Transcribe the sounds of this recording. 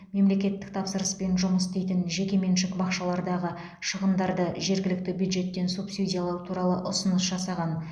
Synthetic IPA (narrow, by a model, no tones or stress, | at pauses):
me̞mle̞kʲe̞t̪ːɪ̥k̚t̪ʰɑpsəɾəspe̞nʒʊməst̪ejt̪ɪnʒe̞kʲe̞menʃɪkbɑqʃɑlˠɑɾd̪ɑʁə | ʃəʁəmd̪ɑɾd̪əʒe̞ɾɡʲɪlɪk̚t̪ɪbjud̪ʒe̞t̪ːe̞nsupsidʲijalˠɑwt̪ʰuɾɑlˠəʔʊsənəsʒɑsɑʁɑn